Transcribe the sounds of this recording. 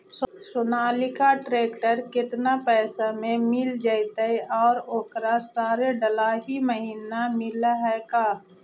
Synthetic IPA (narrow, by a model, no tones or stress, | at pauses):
ssʊnaːlɪkaʈɾeːkʈəɾkɪt̪napɛːsamẽmɪld͡ʒaːit̪aiʔɔːɾoːkɾasaːɾeɖəlaɦiməɦiːnamɪlaɦɛkaː